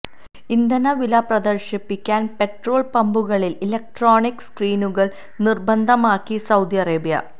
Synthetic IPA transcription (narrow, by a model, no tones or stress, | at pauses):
ind̪ɐnɐʋilɐprɐd̪ɐrʂɐpːikʲːaːnpe̞ʈroːɭpɐmbuɣɐɭililek̚ʈroːnikːskriːnuɣɐɭ | nirbɐnd̪ʱɐmaːkːisɐwd̪iɐreːbijɐ̰